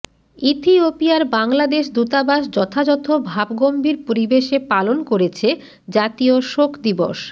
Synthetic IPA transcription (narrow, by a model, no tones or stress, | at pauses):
it̪ʰiopiaɾbaŋlad̪eʃd̪ut̪abaʃd͡ʑɔt̪ʰad͡ʑɔt̪ʰobʱabɡombʱiɾpoɾibeʃepalonkoɾet͡ɕʰe | d͡ʑat̪ioʃokʰd̪iboʃ